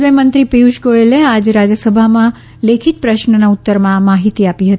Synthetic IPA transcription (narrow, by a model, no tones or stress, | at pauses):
mẽmənt̪ɾipiuʃɡoelead͡ʒɾad͡ʒəsəbʱamã | lekʰit̪̚pɾəʃnənaut̪ːəɾmãmaɦit̪iapiɦət̪i